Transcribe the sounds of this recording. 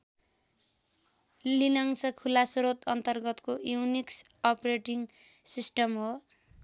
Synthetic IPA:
linʌŋsʌkʰulasɾot̪ʌnt̪ʌrɡʌt̪kojuwniksʌpreʈiŋsisʈʌmɦo

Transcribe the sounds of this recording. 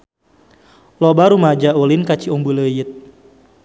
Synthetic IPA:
lɔbaɾumad͡ʒaulinkat͡ʃiɔmbuləjit̪̚

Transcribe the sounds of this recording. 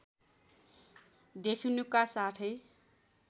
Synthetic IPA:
d̪ekʰinukasaʈʰʌj

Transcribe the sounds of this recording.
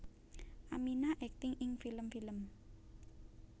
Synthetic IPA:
ʔaminaʔɛk̚t̪ɪŋɪŋfiləmfiləm

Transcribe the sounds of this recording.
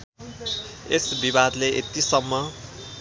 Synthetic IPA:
esbibad̪leet̪isʌmːʌ

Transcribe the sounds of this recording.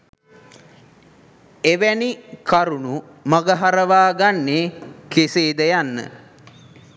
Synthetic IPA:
eʋænikaɾunu | maɡəɦaɾəʋaːɡanːekeseːd̪əjanːə̰

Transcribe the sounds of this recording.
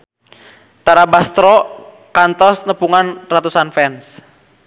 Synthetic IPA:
t̪aɾabast̪ɾɔ | kant̪ɔsnəpuŋanrat̪usanfɛns

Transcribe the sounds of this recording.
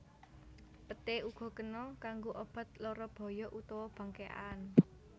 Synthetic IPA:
pət̪euɡ̥ɔ̤kənɔkaŋɡoʔɔb̥ä̤t̪̚lɔɾɔb̥ɔ̤jɔʔut̪ɔwɔb̥ä̤ŋkeʔa̰n

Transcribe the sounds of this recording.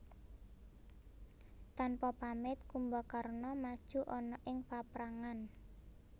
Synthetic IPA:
t̪anpɔpamɪt̪kumbɔkarnɔmad̥ʒ̥ṳʔɔnɔʔɪŋpapɾaŋan

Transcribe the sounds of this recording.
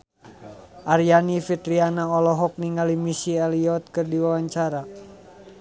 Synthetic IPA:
ʔaɾjanifit̪ɾianaɔlɔɦɔk̚niŋalimisiɛliɔt̪̚kɨrdiwawaɲt͡ʃaɾa

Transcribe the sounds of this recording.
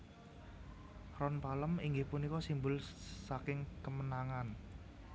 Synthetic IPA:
rɔnpaləmiŋɡɪhpunikɔsimbʊlsakɪŋkəmənaŋan

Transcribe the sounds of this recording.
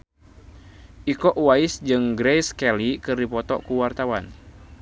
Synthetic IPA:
ʔikɔʔwaisd͡ʒɨŋɡɾɛjskɛlikɨrdipɔt̪ɔ̰kuwart̪awan

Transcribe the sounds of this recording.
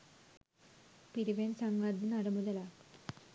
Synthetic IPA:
piɾiʋensaŋɡʋad̪inaɾɐmud̪ɐla

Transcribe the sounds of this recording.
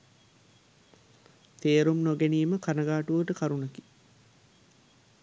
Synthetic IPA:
t̪eːɾumnoɡeniːməkanɐɡaːʈuʋəʈəkaɾunɐki̥

